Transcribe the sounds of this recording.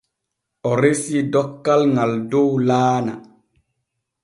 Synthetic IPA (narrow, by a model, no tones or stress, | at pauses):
ɔɾesidɔkːalŋaldowlaːna̰